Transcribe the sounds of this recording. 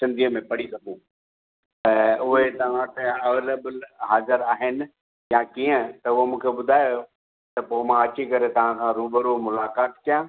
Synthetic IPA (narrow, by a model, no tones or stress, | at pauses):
sɪ̃nd̪ʱiəmẽpɐɽisɐɡʱũ | t̪ɐʊɦet̪ɐʋ̤ãt̪ɐɐʋeːləblɦaːzəɾaːɦɪnɪ̆ | jãkiːə̃t̪ɐʊɦomũːkʰebʊd̪ʱaːjo | t̪ɐpoːmãɐt͡ɕikɐɾet̪ɐʋ̤ãkʰãɾuːbəɾomʊlaːkaːt̪kijãː